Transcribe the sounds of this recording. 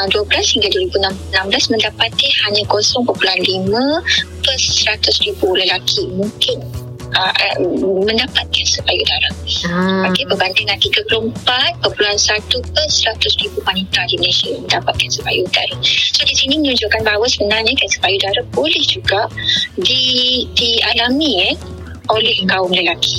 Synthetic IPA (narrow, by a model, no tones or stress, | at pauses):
duəblashiŋɡalduwəɾibuənamənãmblasmə̃ndapat̪ihaɲãkosɔŋpəpuluanlimə̃pəsəɾat̪ʊsribuləlakʰimũŋkɪn | əəmə̃ndapat̪̚kansəpajudaɾapakibəbandɪŋnant̪iɡapuloəmpat̪̚pəpuluɦansat̪upəsəɾat̪ʊsribumanit̪adiməlesiaməndapat̪̚kansəpa̰jṵda̰ɾasodisinĩmə̃ɲud͡ʒʊʔkanbaɦawəsəbənarɲəkɛsə̥pajudaɾabolɛhd͡ʒuɡaʔdidialamĩ | olɛhkaʊŋləlaki